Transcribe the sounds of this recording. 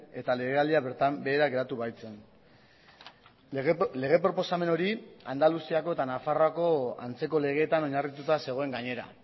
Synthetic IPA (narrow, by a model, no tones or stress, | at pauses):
e̞t̪aleɣeald̪iat̪ambe̞ːɾaɣe̞ɾat̪uβajt͡se̞n | le̞ɣe̞pɾo̞po̞same̞no̞ɾiand̪alusiako̞e̞t̪anafaroako̞a̰nt͡se̞ko̞le̞ɣ̞e̞ːt̪ano̞ɲarit̪ut̪ase̞ɣ̞o̞e̞ŋɡaɲe̞ɾa̰